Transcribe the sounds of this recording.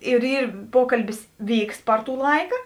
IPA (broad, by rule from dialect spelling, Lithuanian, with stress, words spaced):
ɪr ˈiːr ˈpoːkɐlʲbʲɪs ˈʋʲiːks ˈpɐr ˌtuː ˈlˠɐɪkɑː